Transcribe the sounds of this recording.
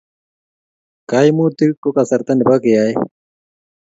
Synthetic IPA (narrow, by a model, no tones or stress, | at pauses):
kaːjmuːt̪ikokɐsɐɾt̪ɐnbakejaːj